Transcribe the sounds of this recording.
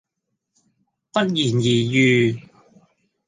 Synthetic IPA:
pɐ˥t̚jiː˨˩njiː˨˩jyː˧

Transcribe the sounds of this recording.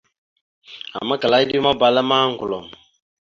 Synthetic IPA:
a̰˨ma˦ka˨la˨˦i˦di˦ma˦ba˨la˦ma˦ŋɡu˨lɔ˨m˨

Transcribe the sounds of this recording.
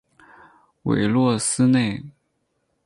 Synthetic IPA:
wḛ˧˩ɪlwɔ˥˩sɹ̩˥ne˥˩ɪ

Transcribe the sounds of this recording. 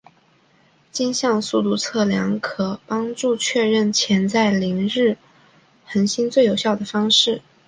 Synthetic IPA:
t͡ɕi˥nɕjɑ˥˧ŋsu˥˧t̪u˥˧t͡sʰɤ˥˩ljɑ˧˥ŋkʰɤ˨˩pɑ˥ŋʈ͡ʂu˥˧t͡ɕʰɥɛ˥˧ɻə˥˩nt͡ɕʰjɛ˧˥nt͡sa˥˩ɪli˧˥ŋɻɻ̩˥˩ | xə˧˥nɕi˥nt͡swe˥˩ɪjo˨˩ʊɕjɑ˥˩ʊd̪ə˩fɑ˥ŋʂɻ̩˥˩

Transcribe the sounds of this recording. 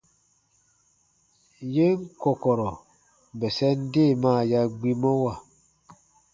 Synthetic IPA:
je˦ŋ˦kɔ˨kɔ˨ɾɔ˨ | bɛ˨sɛ˦n̩˦de˦˨maː˦˨ja˦ɡ͡bi˦mɔ˦wa˦˨

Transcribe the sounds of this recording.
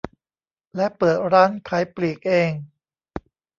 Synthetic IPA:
lɛ˦˥pɤː˨˩t̪̚ɾaː˦˥nkʰa˧˩˦jpliː˨˩k̚ʔeː˧ŋ

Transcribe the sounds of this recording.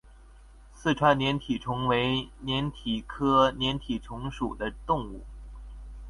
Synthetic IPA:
sɹ̩˥˩ʈ͡ʂʰwa˧˥nnjɛ˧˥nt̪ʰi˨˩ʈ͡ʂʰʊ˧˥ŋwe˧˥ɪnjɛ˧˥nt̪ʰi˨˩kʰɤ˥njɛ˧˥nt̪ʰi˨˩ʈ͡ʂʰʊ˧˥ŋʂu˨˩d̪ə˦t̪ʊ˥˧ŋu˥˩

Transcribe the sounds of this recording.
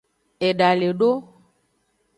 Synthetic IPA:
e˨ɖa˨le˨ɖo˦

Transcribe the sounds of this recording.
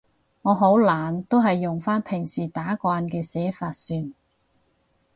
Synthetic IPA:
ŋɔː˨˧ɦo˨˥wlaː˨nt̪o˥wɦɐ˨jːʊ˨ŋfaː˥npʰɪ˨˩ŋsiː˨˩t̪aː˨˥kʷwaː˧nkɛː˧sɛː˨˥faː˧t̚syː˧n

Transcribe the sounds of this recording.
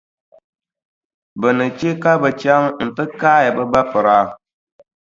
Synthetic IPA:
bɨ˨nɨ˨t͡ʃe˦ka˦bɨ˨t͡ʃa˦ŋn̩˨tɨ˦kaː˦ja˨bɨ˦ba˦pɨ˨ɾa˦

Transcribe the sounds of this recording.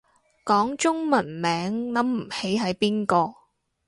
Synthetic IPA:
kɔː˨˥ŋt͡ʃʊ˥ŋmɐ˨˩nmɛː˨˥ŋlɐ˨˥mm̩˨˩he˨˥jɦɐ˨˥jpiː˥nkɔː˧

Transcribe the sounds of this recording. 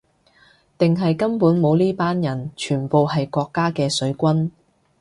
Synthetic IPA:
t̪ɪ˨ŋɦɐ˨jkɐ˥mpuː˨˥nmo˨˧wliː˥paː˥njɐ˨˩nt͡ʃʰyː˨˩npo˨whɐ˨jkʷɔː˧kːaː˥kɛː˧sɵ˨˥ɥkʷɐ˥n

